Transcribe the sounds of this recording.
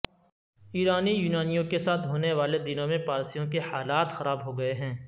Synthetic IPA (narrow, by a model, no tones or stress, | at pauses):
iːɾaːnijuːnaːnijõkesaːt̪ʰɦoːneʋaːled̪ɪnõmẽpaːɾsijõkehaːlaːt̪xɐɾaːbɦoɡɐeɦɛ̃ː